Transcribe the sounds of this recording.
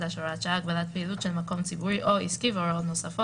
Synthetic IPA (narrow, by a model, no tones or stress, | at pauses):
daʃoʁatʃaaɡbalat̪̚peilut̪ʃelmako̞mt͡sibuʁiʔo̞iskiveoɾeot̪no̞safo